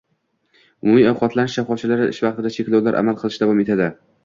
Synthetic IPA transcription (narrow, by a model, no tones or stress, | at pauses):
ʊmumiawqʰɒt̪lanɪʃʃafɒft͡ʃʰalaɾɪɪ̰ʃvɑq̚t̪ɪd̪at͡ʃʰekʲlawlaɾʔa̰malˠqʰɨlˠɪʃd̪avɒme̞t̪ʰad̪ɪ